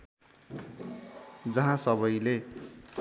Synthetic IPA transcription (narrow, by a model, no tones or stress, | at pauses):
d͡zʌɦãsʌbʌjle